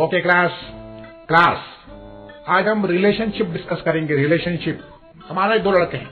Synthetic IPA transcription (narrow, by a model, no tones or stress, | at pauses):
oːkeklaːs | klaːs | aːd͡ʒɦɐmɾɪleːʃənʃɪp̚ɖɪskəskɐɾẽːŋɡeɾɪleːʃənʃɪp̚ | hɐmaːɾeid̪oːlɐɽkeɦɛ̰̃